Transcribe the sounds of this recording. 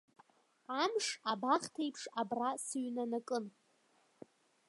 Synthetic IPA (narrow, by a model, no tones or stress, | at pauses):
amʂabaχtʰejpʰʂabrasɨɥnanakʼɨn